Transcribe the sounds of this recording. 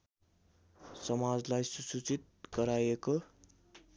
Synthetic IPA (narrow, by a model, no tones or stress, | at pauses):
sʌmad͡zlajsusut͡sit̪̚ɡʌɾajeko